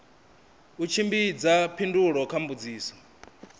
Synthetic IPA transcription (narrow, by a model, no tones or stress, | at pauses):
ut͡ʃʰimbid͡zapʰinduɺɔkʰambud͡ziːsɔ̥